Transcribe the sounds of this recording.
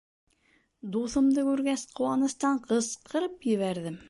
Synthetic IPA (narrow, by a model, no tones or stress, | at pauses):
d̪uθɤ̆md̪ɤkʉɾɡæsqʰŏwɑnɤ̆st̪ɑɴqʰɤsqʰɤ̆ɾɤpjɘ̆βæɾðɘm